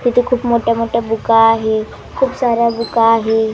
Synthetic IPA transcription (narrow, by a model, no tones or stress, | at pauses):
t̪it̪ukʰuːpmoʈjamoːʈjabukaːɦe | kʰuːpsaːɾjabukaːɦe